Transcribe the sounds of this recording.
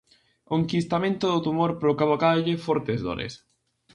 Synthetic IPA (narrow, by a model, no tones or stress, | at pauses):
koŋkist̪amẽnt̪ʊðʊt̪umoɾpɾokaβokaʎɪfɔɾt̪ezðo̰ɾḛs